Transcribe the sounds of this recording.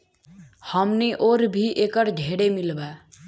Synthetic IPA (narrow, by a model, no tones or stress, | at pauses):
həmniʔoːɾbʱiʔekəɾd͡ʒʱeɽemilbaː